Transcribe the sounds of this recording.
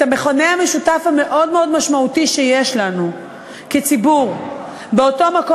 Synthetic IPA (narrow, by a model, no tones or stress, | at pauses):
tame̞χo̞neame̞ʃutafhame̞ʔo̞dmeo̞dmaʃmautiʃejeʃlanu | ket͡sibuʁ | beo̞to̞mak